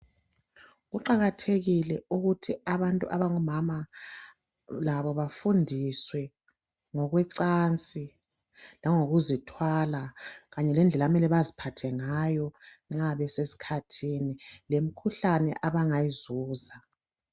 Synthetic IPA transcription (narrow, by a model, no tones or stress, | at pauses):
ɣuǃaɣatʰeɣilɛuɣutʰiaβantʼṵʔaβaŋumama | laβɔβafundʱiswɛ | ŋɔɣwɛǀaːnt͡sʼi | laŋoɣuzitʰwalaɣaɲɛlɛnd͡ɮʱɛlamɛlɛβazipʰatʰɛŋajɔ | ŋ͡ǁaβɛsesi̥kʰatʰinilem̩kʰuɬanɛ̰ʔaβaŋajizuːza